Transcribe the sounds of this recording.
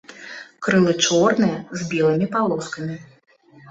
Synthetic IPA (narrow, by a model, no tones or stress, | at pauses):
kɾɨlˠɨt͡ʂɔrnɨjɐzbʲɛlˠɨmʲipalˠɔskɐmʲi